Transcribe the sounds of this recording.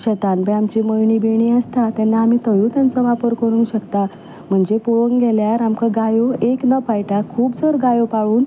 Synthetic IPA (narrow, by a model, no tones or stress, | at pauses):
ɕət̪anpɛamt͡ɕiməjɳiːbeɳ̃iəst̪at̪ɛnːaːmit̪ʰəjũt̪jant͡sɔʋapəɾkəɽ̃ũːɕəkt̪a | m̤əɳd͡zepuʋəŋɡɛljaɾamkaɡajoeknəpajʈakʰuːpd͡zəɾɡajopaʋuːn